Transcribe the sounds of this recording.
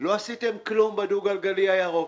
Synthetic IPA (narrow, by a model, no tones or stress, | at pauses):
lwasitemkilõmbaduɡalɡalijajaɣo